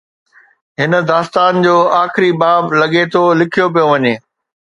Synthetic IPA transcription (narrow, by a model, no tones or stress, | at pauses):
ɦɪnə̆d̪aːst̪aːnd͡ʑoːaːxɪɾibaːblɐɠet̪ʰolɪkʰijop̬ijoʋɐɲeː